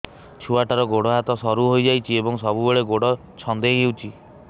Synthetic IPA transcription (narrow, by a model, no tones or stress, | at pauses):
t͡ʃʰuaʈaɾɔɡoɽɔɦat̪ɔsɔɾuɦojd͡ʒajt͡ʃʰiebɔŋsɔbubeɭeɡoɽɔ | t͡ʃʰɔnd̪eɦewt͡ʃʰi